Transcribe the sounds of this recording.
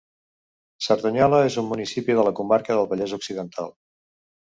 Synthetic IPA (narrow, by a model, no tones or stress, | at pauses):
səɾðuɲɔləezumːunisipiðələkumaɾkəðəlˠβəʎɛzuksiðənt̪ʰa̰lˠ